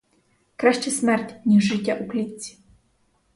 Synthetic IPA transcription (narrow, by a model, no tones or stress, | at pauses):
kɾaʃt͡ɕɛsmɛrtʲnʲiʐɨtʲːaʔuklʲit͡sʲi̥